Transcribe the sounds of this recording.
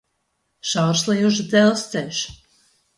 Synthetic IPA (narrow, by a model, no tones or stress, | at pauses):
ʃawɾslˠɛjuʒd̪zɛlˠst̪sɛlʲʃ